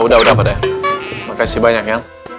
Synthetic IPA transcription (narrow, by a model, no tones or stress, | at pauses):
udaɦudapada | makasibaɲakɲa